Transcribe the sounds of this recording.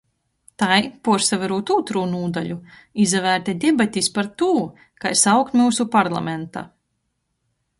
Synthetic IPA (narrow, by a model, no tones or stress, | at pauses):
t̪ajpuɔɾsavaɾuːt̪uːt̪ɾuːnuːd̪alʲu | izavæːɾt̪ʲad̪ʲɛbat̪ʲispaɾt̪uː | kajsawkt̪muːsupaɾlˠa̰ment̪a̰